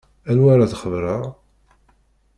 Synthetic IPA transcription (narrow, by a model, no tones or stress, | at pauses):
ænwaɾaðχəvɾəɾ